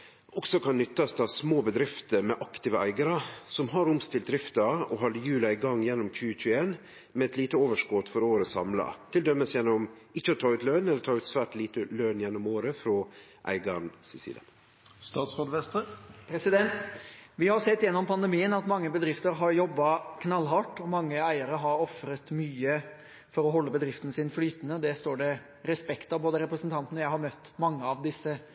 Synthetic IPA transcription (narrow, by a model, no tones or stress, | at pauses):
ʔɔksɔkʰɑnːʏt̪ːɑst̪ʰɑʋsmoːbəd̪ɾɪft̪əɾmɛʔɑkt̪ɪːʋəʔæ̰ɪɡəɾəsɔmɦɑɾʊmst̪ɪlt̪d̪ɾɪft̪əɔɦɑlɪjʉːlɑɪɡɑŋːjɛnːɔmc͡çʉːəçʉːəeːn | mɛɛt̪liːt̪əoːʋəʂkɔt̪fɔɾoːɾəsɑ̰mlɑ̰t̪ʰɪld̪œmːəsjɛnːɔmɪçːəɔt̪ʰɑːʉːt̪lœnɛləɾt̪ʰɑːʉːt̪sʋæːʈliːt̪əlœːnjɛnːɔmoːɾəfɾɔːʔæ̰ɪɡɑnsɪsḭlɑ̰ | st̪ɑːt̪sɾoːd̪ʋɛst̪əpʰɾɛsɪd̪ɛnt̪ʋɪhɑɾsɛt̪ːjɛnːɔmpʰɑnd̪əmiːənɑt̪mɑŋːəbəd̪ɾɪft̪əɾɦɑɾjɔbːɑkʰnɑlːɦɑʈːɔmɑŋːəæɪəɾəɦɑɾɔfɾət̪myːə | fɔɾɔɦɔlːəbəd̪ɾɪft̪ənəsɪnflyːt̪ənəɔd̪ɛst̪oːɖɛ | ɾɛspɛkt̪ɑboːd̪əɾɛpɾəsənt̪ʰɑnt̪nəjæɪhɑɾmœt̪ːmɑŋːəɑʋd̪ɪsːə